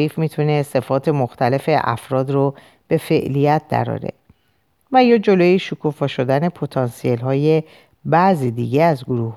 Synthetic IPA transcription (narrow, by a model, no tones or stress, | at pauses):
iːfmiːt̪ʰunese̞fɒːt̪ʰe̞moxt̪ʰæle̞fe̞ʔæ̰fɾɒːd̪ɾo | b̥e̞fe̞ʔlijæt̪̚ʰd̪æ̰ɾɒ̰ːɾḛ | væjɒːd͡ʒo̞loːjeʃukʰufɒːʃo̞d̪æne̞pʰot̪ʰɒnsielɦɒːje | bæziːd̪iːɟeæzɡoɾuːh